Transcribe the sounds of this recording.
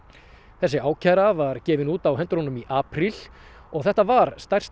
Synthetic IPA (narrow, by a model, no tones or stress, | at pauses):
θɛsːɪaːwcʰaɾavaɾcɛːvɪnuːt̪awɦɛnt̪ɾɔnʏmiʔaːpɾil | ɔɣθɛht̪avaɾst̪ajr̥st̪